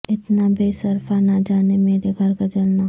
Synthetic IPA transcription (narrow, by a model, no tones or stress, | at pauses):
ɪt̪nabʱesɐɾfanad͡ʒaːnemeːɾeɡʱɐɾɡɐd͡ʒəlnaɦ